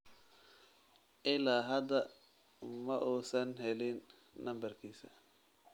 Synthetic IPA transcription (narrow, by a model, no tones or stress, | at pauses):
ʔɪlaːɦɐd̪ɐ | mɐʔuːsɐnɦɛlɪnː | ɐmbɐrkʰiːsɐ̰